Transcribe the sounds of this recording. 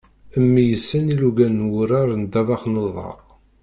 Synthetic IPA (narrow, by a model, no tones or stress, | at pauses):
əmːijəsːæniluɡænːwʊɾaɾˤnd̪ævɑχnoðˤɑ̰q